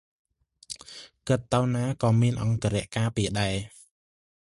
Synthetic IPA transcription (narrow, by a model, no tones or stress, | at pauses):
kɨt̪ːəwnaːkɑːmiənʔɑŋkaɾɛ̆əʔkaːpiəɗaɛ